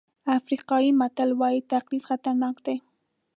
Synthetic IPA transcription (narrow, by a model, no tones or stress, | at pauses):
afɾɪqɑjimat̪alwaɪt̪aqlit̪χxat̪aɾnɑqt̪a